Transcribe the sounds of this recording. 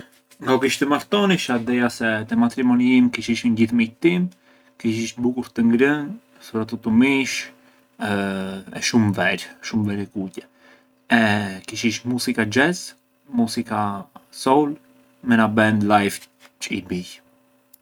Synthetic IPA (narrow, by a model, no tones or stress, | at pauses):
ŋɡaɔkiʃt̪ɛmaɾt̪ɔniʃad̪ɛjasɛt̪əmat̪ɾimɔniimkiʃiʃənɟiθmit̪im | kiʃ̬iʃbukuɾt̪əŋɡɾən | sɔɾat̪ɔt̪umiʃ | ɛ̰ʃumvɛɾʃumvɛɾɛkucɛ | ɛkiʃ̬iʃmusikad͡ʒɛz | musikasɔl | mɛnabɛnd̪lajv | t͡ʃəibiç